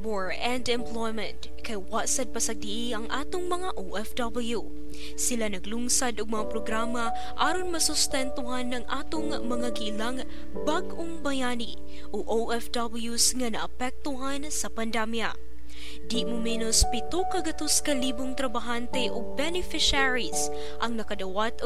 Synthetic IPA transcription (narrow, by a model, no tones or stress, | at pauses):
bɹ | ɛnd̪ɛmplojmɛnt̪ | kɐjwaʔsɐd̪̚pɐsɐɡ̚d̪iʔiʔɐŋʔaːt̪ʊŋmɐŋaʔowʔɛfd̪abɐlju | sɪlanɐɡluŋsad̪ʊɡ̚mɐŋapɾoɡɾaːmɐ | ʔaːɾonmɐsʊst̪ɛnt̪ʊɦanːɐŋʔaːt̪ʊŋ | mɐŋaɡiʔlaŋ | baɡʔoŋbɐjaːni | ʔoʔowʔɛfd̪abɐljusŋɐnɐʔɐpɛk̚t̪ʊɦansɐpɐnd̪ɛmja | d̪iʔmʊmɛːnospɪt̪ukɐɡɐt̪oskɐliːbʊŋt̪ɾɐbaɦant̪ɛʔoɡ̚bɛnɪfɪʃaɹis | ʔɐŋnɐkɐd̪ɐwat̪o